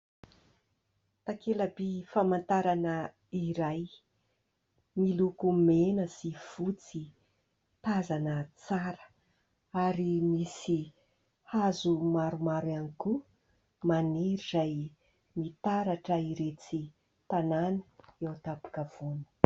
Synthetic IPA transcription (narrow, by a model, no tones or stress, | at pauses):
t̪akʰelabifamant̪aɾanə | iɾaj | milukumenəsiv̥ut͡si | t̪azanət͡saɾə̥ | aɾimisi | hazumaɾumaɾaniku | maniɾizaj | mit̪aɾaʈ͡ʂəiɾet͡si | t̪ananəewt̪apu̥kav̥uni̥